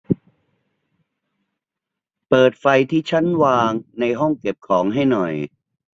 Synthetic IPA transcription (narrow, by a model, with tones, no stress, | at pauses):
pɤː˨˩t̪̚fa˧jt̪ʰiː˥˩t͡ɕʰa˦˥˨nwaː˧ŋna˧jɦɔ˥˩ŋke˨˩p̚kʰɔː˩˦ŋɦa˥˩jnɔ˨˩j